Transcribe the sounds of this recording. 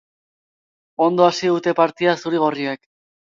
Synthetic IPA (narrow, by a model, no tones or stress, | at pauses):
o̞nd̪o̞asiðut̪e̞paɾt̪iasuɾiɣ̞oriak